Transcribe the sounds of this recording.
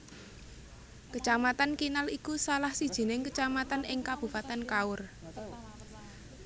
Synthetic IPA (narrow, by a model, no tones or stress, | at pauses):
kət͡ʃamat̪ankinalikusalahsid̥ʒ̥i̤nɪŋkət͡ʃamat̪anɪŋkab̥ṳpat̪ankaʊr